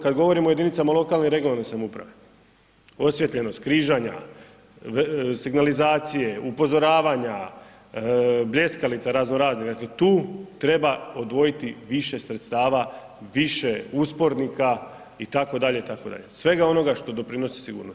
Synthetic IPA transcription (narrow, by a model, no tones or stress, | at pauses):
kad̪ɡo̞ʋo̞ɾimojed̪init̪samaolo̞kalˠniɾe̞ɡoanesamupɾa̰ʋe̞ | o̞sjet̪lʎʲe̞no̞st̪kɾiʒaɲa̰ | siɡnalizaːt̪sije̞upo̞zo̞ɾaːʋaɲa | bʎe̞skalit̪saɾaznoɾaːzniɣd̪akle̞t̪uːt̪ɾe̞baod̪ʋo̞jit̪iʋiʃe̞sɾet̪st̪aːʋa | ʋiʃeuspo̞ɾnika | it̪ako̞d̪aʎe̞it̪akod̪a̰ʎe̞sʋe̞ɡao̞no̞ɡaʃt̪o̞d̪o̞pɾino̞si̥siɡṵːɾnos